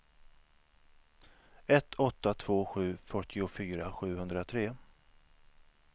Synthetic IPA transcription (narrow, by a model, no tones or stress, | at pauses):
ɛt̪ʰːɔt̪ːat̪ʰv̥oːɧʉ̟ːfœʈʰːɪʊfyːɾaɧʉ̟ːɦɵnd̪ɾat̪ʰɾeː